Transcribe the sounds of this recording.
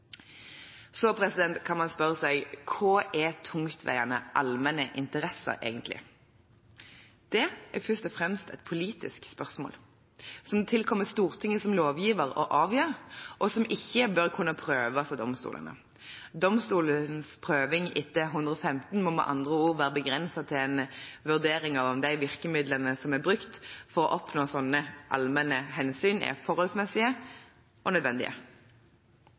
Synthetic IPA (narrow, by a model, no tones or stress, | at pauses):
sɔpʰɾɛsɪd̪ɛnt̪kʰɑnmɑnspœʁəsæɪkʰoːʔɛt̪ʰʊŋt̪ʰʋæ̰ɪənəʔɑlmɛnəʔɪnt̪əɾɛsə̰ʁʔḛːɡənt̪lɪ̰ | d̪̥ɛʔɛfʏst̪ɔfʁɛmst̪ɛt̪̚pʰʊliːt̪ɪskspœʁsmo̰ːl | sɔmt̪ʰɪlkʰɔmːəst̪uːʁt̪ʰɪŋːəsɔmloːʋjiːʋəʁɔ̰ʔɑːʋjøːʁʔɔsɔmʔɪçːəbœʁkʰʉnːɑpʰʁøːʋɑsɔd̪ɔmst̪ṵːlə̰nə̰ | d̪ɔmst̪uːlənspʰʁøːʋɪŋɪt̪ːəɦʉnd̪ʁəɔfɛmt̪n̩mɔmɛ̰ʔɑ̰nd̪ʁəuːʁʋæːʁəbəɡʁɛnsɑt̪ʰɪlɛnʋʉʁd̪eːɾɪŋɑʋɔmd̪æɪʋɪʁkəmɪd̪lənəsɔmɛbʁʉkt̪fɔʁɔʔɔpnoːsɔnːəʔɑ̰lmɛnəɦɛnsyːnɛ̰fɔʁhɔlsmɛsɪə | ʔɔnœd̪ʋɛnd̪ɪ̰ʔə̰